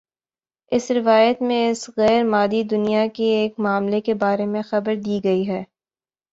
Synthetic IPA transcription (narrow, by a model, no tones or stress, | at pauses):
ɪsɾɪʋaːjət̪mẽɪsɣɛːɾmaːd̪id̪ʊnijakeeːkmaːmlekebaːɾemẽxɐbəɾd̪iːɡɐiɦɛː